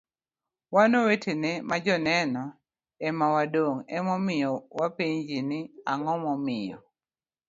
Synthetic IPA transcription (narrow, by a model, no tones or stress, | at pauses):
wanowetʰenemad͡ʒɔnɛnɔ | ɛmawadoŋɛmɔmɪjɔwapiɲd͡ʒinɪaŋɔmɔmɪjɔ̰